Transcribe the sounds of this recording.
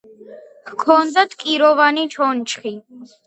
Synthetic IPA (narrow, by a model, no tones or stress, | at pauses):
kʰɔnd̪at̪ʰʼkʼiɾɔvanit͡ʃʰɔnt͡ʃʰχi